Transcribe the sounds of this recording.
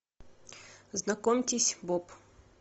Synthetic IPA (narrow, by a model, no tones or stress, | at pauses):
znɐkomʲtʲɪsʲbɔp